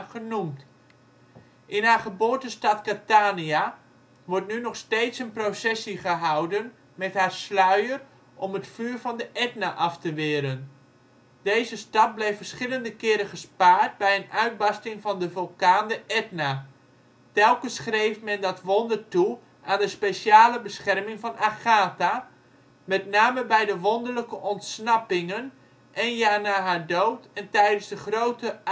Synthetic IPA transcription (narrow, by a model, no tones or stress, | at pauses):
χənumt | ʔɪnɦaːχəboːrtəstɑtkataːnia | ʋɔɹtnynɔχsteːtsənprosɛsiχəɦɑwdən | mɛtɦaːrslœɥər | ʔɔmətfyːrvɑndəʔɛtnaʔɑftəʋɪːɾən | d̥ejzəstɑt̚blejfərsχɪləndəkɪːɾəχəspaːɹt̚bɛjənœɥd̚bɑstɪŋvɑndəvølˠkaːndəʔɛtna | tɛlˠkənsχrejfmɛndɑtʋɔndərtu | ʔaːndəspesaːləbəsχɛrmɪŋvɑnʔaχaːta | mɛtnaːməbɛjdəʋɔndəɹləkəʔɔntsnɑpɪŋən | ʔɛnjaːɹnaːɦaːɹdowtɛntɛjdənzdəχrowtə